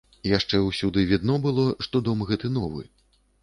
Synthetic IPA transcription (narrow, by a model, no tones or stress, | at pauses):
ijaʂt͡ʂɛwsʲud̪ɨvʲid̪nɔbɨlˠɔʂt̪ɔd̪ɔmɣɛt̪ɨnɔvɨ̰